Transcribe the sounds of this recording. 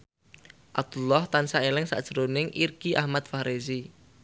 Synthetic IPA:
ʔat̪ulɔht̪ansaelɪŋsa̰d̥ʒ̥əɾonɪŋʔirkiʔahmat̪̚faɾʔezi

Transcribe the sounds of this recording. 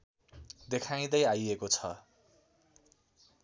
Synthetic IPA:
d̪ekʰaj̃d̪ʌjajekot͡sʰʌ̰

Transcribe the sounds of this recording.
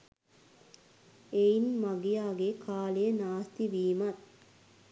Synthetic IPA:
einmaɡijaːɡekʰaːlejənaːst̪iʋiːmɐt̪

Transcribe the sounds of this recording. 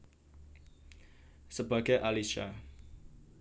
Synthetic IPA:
səba̤ɡ̥ajʔaliʃa̰

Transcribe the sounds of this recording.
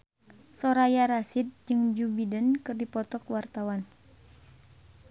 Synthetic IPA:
sɔɾajaɾasit̪̚d͡ʒɨŋd͡ʒubidənkɨrdipɔt̪ɔkwart̪awan

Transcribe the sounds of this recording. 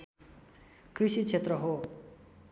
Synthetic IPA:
krisit͡sʰet̪rʌɦo

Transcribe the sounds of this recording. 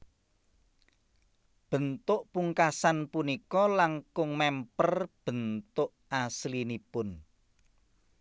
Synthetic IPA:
b̥ə̤nt̪ʊʔpuŋkasanpunikɔlaŋkʊŋmɛmpərb̥ə̤nt̪ʊʔaslinipʊn

